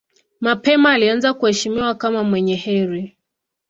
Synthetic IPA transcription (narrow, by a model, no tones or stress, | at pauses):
mapɛmaːlianzakuhɛʃimiwakamamwɛɲɛhɛɾi